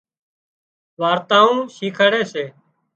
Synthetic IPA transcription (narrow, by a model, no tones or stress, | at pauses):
ʋaːɾt̪ãːũːʃiːkʰəɽeːseː